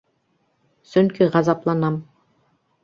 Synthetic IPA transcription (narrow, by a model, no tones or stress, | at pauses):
sɵŋkiʁɑzɑplˠɑnɑm